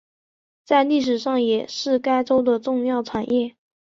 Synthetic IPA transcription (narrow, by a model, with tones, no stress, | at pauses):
t͡sa˥˧ɪli˥˩ʂ̬ɻ̩˨˩ʂɑ˥˩ŋjɛ˨˩ʂɻ̩˥˩ka˥ɪʈ͡ʂo˥ʊd̪ə˨ʈ͡ʂʊ˥˧ŋjɑ˥˩ʊʈ͡ʂʰa˨˩njɛ˥˩